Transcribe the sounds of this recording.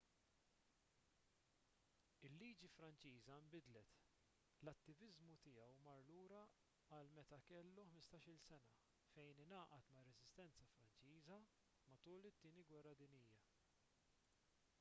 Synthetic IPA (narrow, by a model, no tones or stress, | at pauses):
ɪlːiːd͡ʒifɾɐnt͡ʃiːzɐɪmbɪd̪lɛt̪ | lɐt̪ːɪvɪzmut̪ɪjɐwmɐɾluːɾɐ | ɐlmɛt̪ɐkɛlːuħmɪst̪ɐːʃɪlsɛnɐ | fɛjnɪnɐːʔɐt̪mɐɾːɛzɪst̪ɛnt͡sɐfɾɐnt͡ʃiːzɐ | mɐt̪uːlɪt̪ːɪːniɡwɛrːɐd̪ɪnɪjːɐ